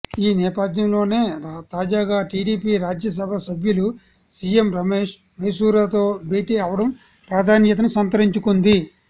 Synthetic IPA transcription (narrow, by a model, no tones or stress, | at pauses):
iːnɛːpɐd̪ʱjɐmlo̞ːneːt̪aːd͡ʒaːɡaːʈiːɖiːpiːɾaːd͡ʒjɐs̬ɐbʱɐsɐbʱjulu | siːjemɾɐmeːʂ | mɐjsuːɾaːt̪oːbeːʈiaːʋɐɽɐm | pɾaːd̪ʱaːnjɐt̪̬ɐnusɐnt̪ɐɾiɲt͡ʃukund̪i